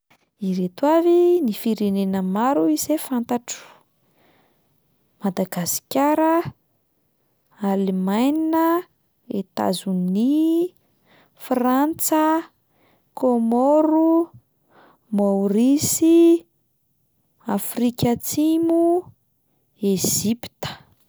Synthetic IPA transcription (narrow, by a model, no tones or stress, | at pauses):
iɾet̪wavinifiɾenenəmaɾuiz̥efant̪aʈ͡ʂu̥ | mad̪aɡasi̥kʲaɾə | alemajninə | et̪a̰zuni | frant͡sə | komoɾu | mowɾisi | afrikʲat͡simu | eʒ̥ipi̥t̪ə̥